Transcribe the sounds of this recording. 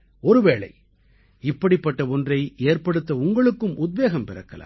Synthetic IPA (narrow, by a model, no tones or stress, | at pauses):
ɔɾɯʋeːɭɐ̰ɪ | ɪpːɐɽɪpːɐʈːɐɔndrɐɪeːrpɐɽɯt̪ːɐʊŋɡɐɭɯkːɯmʔʊd̪̚beːɣɐmpɪrɐkːɐla̰ː